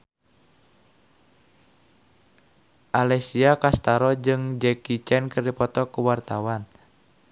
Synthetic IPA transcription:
ʔalɛsiakast̪aɾɔd͡ʒɨŋd͡ʒɛkit͡ʃɛnkɨrdipɔt̪ɔkuwart̪awan

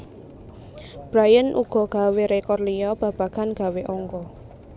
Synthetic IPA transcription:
b̥ɾajənʔṵɡ̥ɔ̤ɡ̥a̤weɾekɔrlijɔb̥ä̤b̥a̤ɡ̥anɡ̥a̤weʔɔŋkɔ

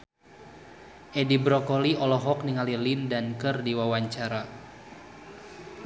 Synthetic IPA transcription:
ʔedibɾɔkɔliɔlɔɦɔk̚niŋalilindankərdiwawaɲt͡ʃaɾa

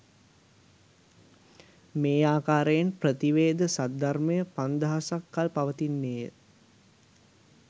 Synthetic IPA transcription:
meːaːkaːɾəjenprət̪iʋeːd̪əsad̪arməjəpand̪əɦasakːalpaʋət̪inːeːjə

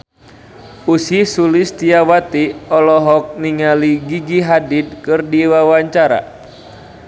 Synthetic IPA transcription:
usisulist̪iawat̪iɔlɔɦɔk̚niŋaliɡiɡiɦadid̪̚kɨrdiwawaɲt͡ʃaɾa̰

